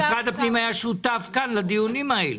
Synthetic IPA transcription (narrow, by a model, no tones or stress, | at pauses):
ɡad̪apnimajaʃut̪afkanlad̪ijunimaelu